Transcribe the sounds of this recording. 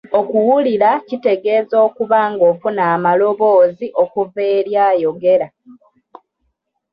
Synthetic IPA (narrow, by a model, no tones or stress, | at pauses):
o̞kuwuliɾacite̞ɡe̞ːzo̞ːkuβaːŋɡo̞ːfunaːmalo̞βo̞ːziʔo̞kuveːɾjaːjo̞ɡe̞ɾa